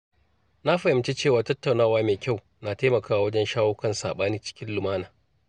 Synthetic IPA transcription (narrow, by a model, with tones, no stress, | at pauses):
na˦ɸɐ˨hɪ˨mt͡ʃeː˦t͡ʃeː˦˨waː˨tɐ˦tːa˨wnaː˦˨waː˦meː˨kʲa˦˨w | na˨ta˦mɐ˨kaː˦wa˨wɐ˦d͡ʒɛ˦nʃaː˦woː˦kɐ˦nsa̰ː˨ɓaː˦niː˦t͡ʃɪ̥˦kʲɪ˦nlʊ˨maː˦naː˨